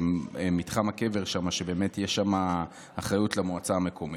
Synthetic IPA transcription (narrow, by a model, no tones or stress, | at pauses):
mitχamake̞ve̞ʁʃamaʃebe̞ːmetjeʃama | aχʁajutlemoat͡saame̞kʰo̞mi